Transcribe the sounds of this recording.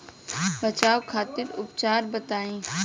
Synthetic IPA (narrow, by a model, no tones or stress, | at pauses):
bɐt͡ʃaːʋkʰaːt̪ɪɾʊpt͡ʃaːɾbɐt̪aːĩː